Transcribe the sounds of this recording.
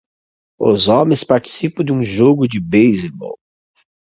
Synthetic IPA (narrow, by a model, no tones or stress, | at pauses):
ʊ̰zɔ̃mẽj̃spaɾt͡ʃi̥sipɐ̃d̪ɪũʒoɡʊd͡ʒɪbejzibɔ̰w